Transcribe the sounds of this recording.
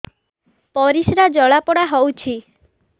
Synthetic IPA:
pɔɾisɾad͡ʒɔɭapɔɽaɦɔwt͡ʃʰi

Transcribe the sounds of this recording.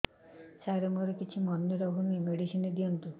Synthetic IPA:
saɾɔŋɡɔɾekit͡ʃʰimɔnːeɾɔɦunuemeɽisined̪iɔnt̪u

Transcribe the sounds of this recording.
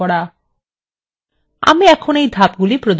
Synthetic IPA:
ɔɽa | a̰meɛkʰɔɽ̃ejd̪ʱap̚ɡulipɾɔd̪

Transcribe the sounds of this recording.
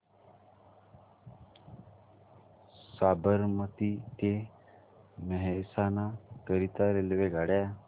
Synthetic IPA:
saːbəɾmət̪ik̪e | məɦɛsanakəɾit̪aɾelʋeɡaːɽja

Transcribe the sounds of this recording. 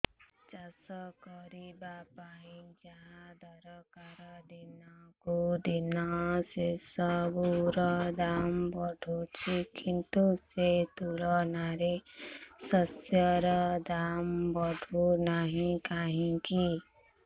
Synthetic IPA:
t͡ʃasɔkɔɾibapaɦĩd͡ʒaɦad̪ʱɔɾɔkaɾɔd̪inɔkud̪inɔsesɔbuɾɔd̪ambɔɖʱut͡ʃʰikint̪uset̪ulɔnaɾesɔsjʌɾɔd̪ambɔɖʱunaɦĩkaɦĩki

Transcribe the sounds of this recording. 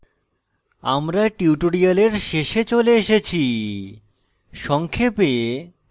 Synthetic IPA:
a̰mɾaʈiuʈoɾialeɾʃeʃet͡ɕoleeʃet͡ɕʰi | ʃɔŋkʰepe

